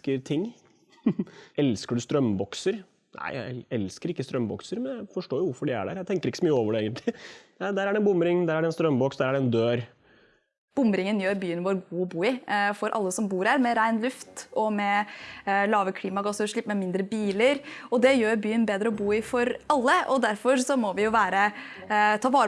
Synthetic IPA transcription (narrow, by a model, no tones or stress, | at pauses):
kəɾt̪ʰɪŋː | ɛlskəɖʉst̪ɾœmbɔksəɾ | nʔæ̰ɪjæ̰ɪɛlskəɾɪkːəst̪ɾœmːbɔ̰ksəɾmɛnj̪æɪfɔʂʈoːjʊʋʊɾfɔɖɛæ̰ɖæ̰ːɾjæɪt̪ɛŋkəɾɪkːəsɔmyːəoːʋəɖɛeːɡənt̪lɪd̪æd̪æːɾæɖɛnbʊmɾɪŋd̪æːɾæɖɛnst̪ɾœmːbɔksd̪æɾæɖɛɛnd̪øːɾ | b̥ʊmɾɪŋənjøːɾbyːənʋoːɾɡuːɔbuːɪfɔɾʔɑ̰lːəsɔmbuːɾhæːɾmɛɾæɪnlʉft̪ɔmɛ | lɑːʋəkʰliːmɑɡɑsəɾʂɭɪpːmɛmɪnd̪ɾəbiːləɾɔd̪ɛjøːɾbyːənbeːd̪ɾəɔbuːɪfɔɾɑlːəʔɔd̪æɾfɔɾsɔmɔʋɪjʊʋæːɾə | t̪ʰɑːʋɑːɾə